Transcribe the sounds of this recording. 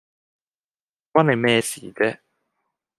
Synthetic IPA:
kwaː˥ne˨˧jmɛː˥˧siː˨˦t͡sɛː˦˥

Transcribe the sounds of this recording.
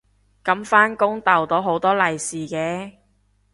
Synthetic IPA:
kɐ˨˥mfaː˥nkʊ˥ŋt̪ɐ˨˩wt̪o˨˥ɦo˨˥wt̪ɔː˥lɐ˨jsiː˨˩kɛː˨˥

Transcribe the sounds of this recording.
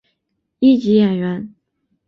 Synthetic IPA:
i˥˩t͡ɕi˧˥jɛ˨˩nɥɛ˧˥n

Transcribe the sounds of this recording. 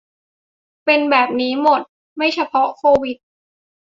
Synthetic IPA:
pe˧nbɛː˨˩p̚niː˦˥mo˨˩t̪̚ | ma˥˩jt͡ɕʰa˧pʰɔ˦˥kʰoː˧wi˨˩t̪̚

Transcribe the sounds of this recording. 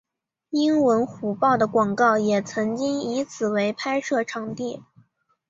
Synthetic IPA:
i˥nwə˧˥nxu˧˥pɑ˥˩ʊd̪ə˩kwɑ˨˩ŋkɑ˥˩ʊjɛ˨˩t͡sʰɤ˧˥ŋt͡ɕi˥ŋi˧˥t͡sʰɹ̩˨˩we˧˥ɪpʰa˥ɪʂɤ˥˩ʈ͡ʂʰɑ˨˩ŋt̪i˥˩

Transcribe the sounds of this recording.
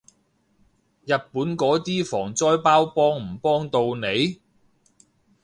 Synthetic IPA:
jɐ˨t̚puː˨˥nkɔː˨˥t̪iː˥fɔː˨˩ŋt͡sɔː˥jpaː˥wpɔː˥ŋm̩˨˩pɔː˥ŋt̪o˧wne˨˧j

